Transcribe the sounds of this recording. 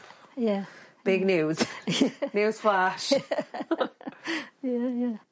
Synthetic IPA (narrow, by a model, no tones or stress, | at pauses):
jab̥ɪɡnjuːz̥njuːz̥flaʃ | jæjæ